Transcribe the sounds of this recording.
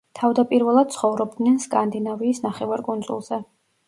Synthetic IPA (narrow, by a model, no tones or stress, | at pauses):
t̪ʰavd̪apʼiɾvɛlˠad̪̚t̪sʰχɔvɾɔb̚d̪nɛnskʼand̪inaviːsnaχɛvaɾkʼund̪zṵlˠz̥ɛ